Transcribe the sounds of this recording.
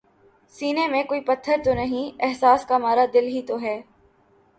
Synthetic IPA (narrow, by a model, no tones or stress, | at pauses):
siːnemẽkoːipɐt̪ʰːəɾt̪onɐɦĩɛɦsaːskamaːɾad̪ɪlɦit̪oɦɛː